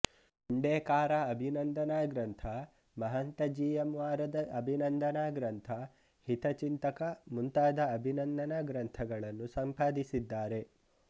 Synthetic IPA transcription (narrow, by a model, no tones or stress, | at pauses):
uɳɖeːkaːɾaɐbʱinɐnd̪ɐnaːɡɾɐnt̪ʰɐ | mɐɦɐnt̪ɐd͡ʒiːjɐmʋaːɾɐd̪ɐʔɐbʱinɐnd̪ɐnaːɡɾɐnt̪ʰɐ | hit̪ɐt͡ʃint̪ɐkɐmunt̪aːd̪ɐːbʱinɐnd̪ɐnaːɡɾɐnt̪ʰɐɡɐɭɐnːusɐmpaːd̪isid̪ːaːɾe̞